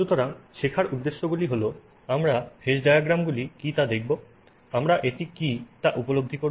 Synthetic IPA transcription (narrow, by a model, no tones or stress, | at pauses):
ʃut̪oɾaŋʃekʰaɾud̪ːeʃːoɡuliɦolo | amɾafʰeʃɖajaɡɾamɡulikit̪ad̪ek̚ʰbo | amɾaʔetikit̪aʔupolob̚d̪ʱikoɾ